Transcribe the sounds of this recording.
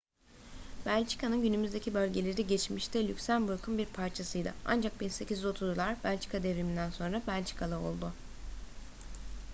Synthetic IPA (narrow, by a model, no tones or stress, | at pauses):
b̥ælʲt͡ʃi̥kʰanɯnɟynymyzd̪ecʰibølʲɟe̞lʲeɾiɟet͡ʃmiʃt̪ʰɛlʲycʲsænbuɾkʰunbiɾpʰaɾt͡ʃʰasɯjd̪ɯ̰a̰nd͡ʒak̚binse̞cizo̞t̪ʰuzlˠaɾbælʲt͡ʃʰi̥kʰad̪evɾimind̪ænso̞nɾabælʲt͡ʃʰi̥kʰalˠao̞̰lˠd̪ʊ